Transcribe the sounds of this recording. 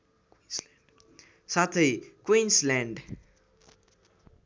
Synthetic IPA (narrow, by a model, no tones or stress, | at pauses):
sat̪ʰəjkwĩnslɛ̃nd